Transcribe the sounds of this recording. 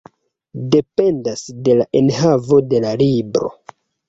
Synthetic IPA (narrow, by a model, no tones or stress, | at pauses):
de̞pe̞ndasde̞laʔe̞nɦavo̞de̞lalibɾo̞̰